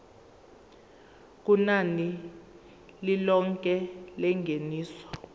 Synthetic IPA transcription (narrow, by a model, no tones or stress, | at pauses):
k̬ʼunani | lilɔŋkʼɛlɛŋʱeniːsɔ̥